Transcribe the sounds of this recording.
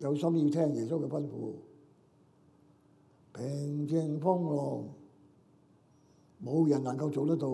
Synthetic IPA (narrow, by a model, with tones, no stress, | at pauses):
jɐ˨˧wsɐ˥mji˧wt̪ʰɛː˥ŋjɛː˨˩so˥wkɛː˧fɐ˥nfṵː˧ | pʰɪ˨˩ŋt͡sɪ˧ŋfɔː˥ŋlɔː˨˩ŋ | mo˨˧wjɐ˨˩nnɐ˨˩ŋkɐ˧wt͡so˨wt̪ɐ˥k̚t̪o˧